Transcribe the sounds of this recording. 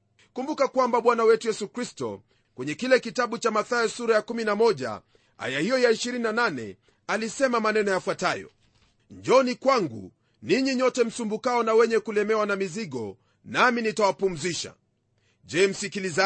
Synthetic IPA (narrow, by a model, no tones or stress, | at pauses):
kumbukakwambaɓwanawɛtujɛsukɾistɔ̰ | kwɛɲɛkilɛkitaɓut͡ʃamaθaɛsuɾajakuminamɔʄa̰ | a̰jahijɔjaiʃiɾininananɛ̰ | alisɛmamanɛnɔjafwatajɔ̰ | d͡ʒɔnikwaŋɡṵ | niɲiɲɔtɛm̩sumbukaɔnawɛɲɛkulɛmɛwanamiziɠɔ̰ | naminitawapum̩ziʃa̰ | ʄɛːm̩sikiliza